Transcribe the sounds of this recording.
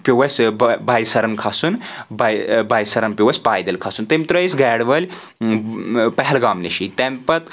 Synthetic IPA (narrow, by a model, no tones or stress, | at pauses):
pʲuwɐsʲbajsɐɾɐnkʰasunbajbajsɐɾɐnpʲwɐsʲpaːjd̪ɐlkʰasunt̪emʲt̪ɾɐisɡɛːɽʋɐlʲ | pɐɦɛlɡaːmniʃit̪empɐt̪